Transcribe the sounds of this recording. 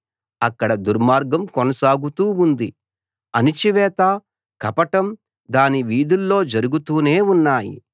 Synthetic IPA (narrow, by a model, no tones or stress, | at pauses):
ɐkːɐɽɐd̪uɾmaːɾɡɐmkɔnɐsaːɡut̪uːund̪i | ɐnit͡ʃiʋɛːt̪aː | kɐpɐʈɐm | d̪aːniʋiːd̪ulːo̞ːd͡ʒɐɾuɡut̪uːne̞ːunːaːjḭ